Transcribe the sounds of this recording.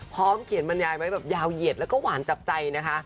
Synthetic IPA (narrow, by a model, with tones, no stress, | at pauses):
pʰɔː˦˥mkʰi˨˩˦nma˧njaː˧jma˦˥jbɛː˨˩p̚jaː˧wji˨˩ət̪̚lɛ˦˥wkɔː˥˩waː˩˦nt͡ɕa˨˩p̚t͡ɕa˧jna˦˥kʰa˦˥ʔ